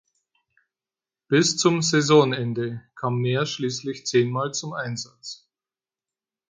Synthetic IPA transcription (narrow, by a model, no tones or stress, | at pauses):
b̥ɪst͡sʊmzɛzɔnɛndəkʰaːmːeːɐʃliːslɪçt͡seːnmaːlt͡sʊmʔaɪnzat͡s